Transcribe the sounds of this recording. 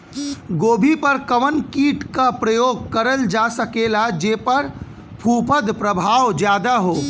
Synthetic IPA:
ɡoːbʱipɐɾkɐʋənkiːʈkapɾəjoːɡ̚kɐɾəld͡ʒaːsɐkeːlad͡ʒeːpɐɾ | pʰuːpəd̪pɾəbʱaːwd͡ʒjaːd̪aɦoː

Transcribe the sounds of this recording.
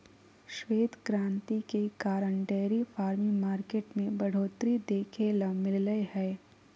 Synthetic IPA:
ʃweːd̪kɾãːnt̪ikekaːɾəɳɖɛːɾifʰaːɾmĩmaːɾkeːʈmẽbɐɽ̤oːt̪ɾid̪eːkʰeːlamɪlləehɛː

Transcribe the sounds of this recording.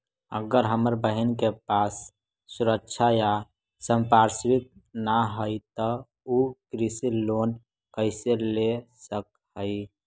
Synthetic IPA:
ə̰ɡəɾɦəməɾbəɦənkepasː | uɾəkːt͡ʃʰaja | səmpaɾswit̪̚naɦəɪt̪ɔ | ukɾisilon | kəɪselesək̚ | ɦəɪ

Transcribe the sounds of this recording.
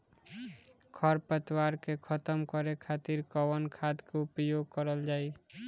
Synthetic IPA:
kʰʌɾpət̪waɾkekʰʌt̪əmkəɾekʰat̪iɾkɔwənkʰad̪keupjoɡ̚kʌɾəld͡ʒaj

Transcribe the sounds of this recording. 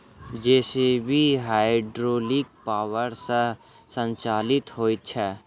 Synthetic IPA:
d͡ʒɛːsebʱiɦaːeɖɾoːlɪk̚paːwəɾsə | sə̃nt͡ʃaːlɪt̪ɦoːit̪̚t͡ʃʰɛː

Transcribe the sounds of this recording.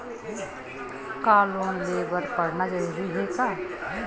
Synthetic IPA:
kaːlõlebəɾpəɽnad͡ʒəɾuːɾiɦeka

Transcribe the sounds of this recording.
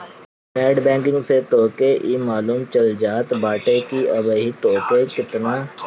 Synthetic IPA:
nɛːɖbɛ̃ːŋkɪ̃ŋɡset̪oːkeʔiːmaːluːmt͡ʃɐld͡ʒaːt̪baːʈekiɐbəɦit̪oːkekɪt̪na

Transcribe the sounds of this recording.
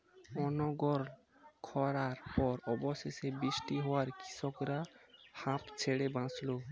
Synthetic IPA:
ɔnoɡɔɾ | kʰɔɾaɾpɔɾɔboʃeʃebɾiʃʈiɦɔwaɾki̥sʰɔkɾahãpt͡ɕʰeɽebãt͡slo

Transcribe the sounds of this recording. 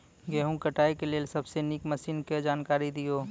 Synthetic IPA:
ɡeɦũkəʈaːikeleːlsəbsenikməsiːnked͡ʒaːnkaːɾid̪ijoː

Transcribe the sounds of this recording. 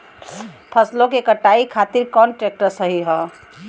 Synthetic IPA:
pʰəslõkekəʈaikʰat̪iɾkɔnʈɾek̚ʈəɾsəɦiɦɔ

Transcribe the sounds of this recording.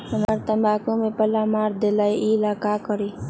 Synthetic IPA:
ənəɾt̪əmbaːkõmẽpəlamaːɾd̪elaiʔilaːkaːkəɾi

